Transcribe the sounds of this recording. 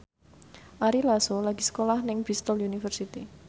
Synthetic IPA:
ʔaɾilasolaɡ̥i̤sə̥kolahnɪŋb̥ist̪ɔljunifərsit̪i

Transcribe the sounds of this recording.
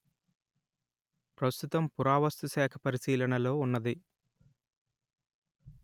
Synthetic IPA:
pɾɐst̪ut̪ɐmpuɾaːʋɐst̪usɛːkʰɐ̥pɐɾisiːlɐnɐlo̞ːunːɐd̪i

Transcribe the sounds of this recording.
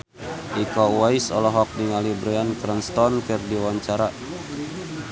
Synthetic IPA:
ʔikɔwaisɔlɔɦɔk̚diŋalibɾɛankɾənst̪ɔnkərdiwaɲt͡ʃaɾa

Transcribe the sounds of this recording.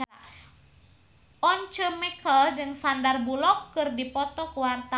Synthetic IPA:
aa | ɔnt͡ʃəmɛkəld͡ʒɨŋsandarbulɔkːɨrdipɔt̪ɔkuwart̪a

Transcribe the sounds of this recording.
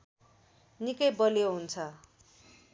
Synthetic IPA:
nikʌjbʌljoɦunt͡sʰʌ

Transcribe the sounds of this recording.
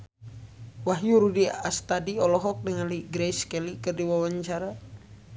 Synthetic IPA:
waɦjuɾudiast̪adiɔlɔɦɔk̚dəŋaliɡɾɛiskɛlikɨrdiwawaɲt͡ʃaɾa

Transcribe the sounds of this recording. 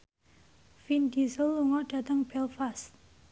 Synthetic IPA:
findisəlːuŋɔɖ̥ä̤t̪əŋb̥ɛlfast̪̚

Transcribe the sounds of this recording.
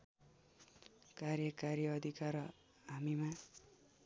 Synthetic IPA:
kaɾjʌkaɾjʌʌd̪ʱikaɾ | ɦamima

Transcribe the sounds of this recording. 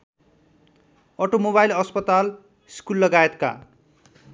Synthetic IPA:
ʌʈomobajlʌspʌt̪al | skulːʌɡaet̪ka̰

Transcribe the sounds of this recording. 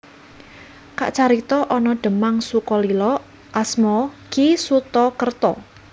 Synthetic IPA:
ka̰ʔt͡ʃaɾit̪ɔʔɔnɔɖ̪̥ə̤maŋsukɔlilɔ | ʔasmɔkisut̪ɔkərt̪ɔ

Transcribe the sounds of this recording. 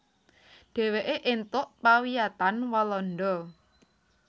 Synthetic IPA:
ɖ̥ɛ̤weʔeʔɪnt̪ʊʔpawiat̪anwalɔnɖ̪ɔ

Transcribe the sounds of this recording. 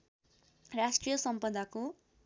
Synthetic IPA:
rasʈrijʌsʌmpʌd̪ako

